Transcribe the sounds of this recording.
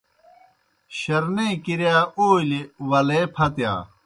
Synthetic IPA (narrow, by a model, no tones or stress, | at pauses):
ɕɐɾnẽːkiɾjaːoːiliwɐleːpʰɐt̪ja̰ː